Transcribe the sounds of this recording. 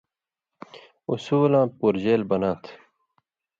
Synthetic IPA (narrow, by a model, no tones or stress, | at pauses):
usuːlãːpuːɾd͡ʑeːlbɐnãːt̪ʰ